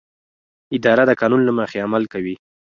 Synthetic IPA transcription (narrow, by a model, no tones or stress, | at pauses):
ɪd̪ɑɾad̪əkɑnunlamaxeamalkawi